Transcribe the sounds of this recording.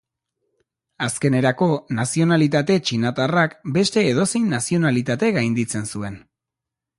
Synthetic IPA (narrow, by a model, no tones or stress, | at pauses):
aske̞ne̞ɾako̞nasio̞nalit̪at̪e̞t͡ʃinat̪arakbe̞st̪e̞ːð̞o̞se̞jnːasio̞nalit̪at̪e̞ɣajnd̪it͡se̞nsue̞n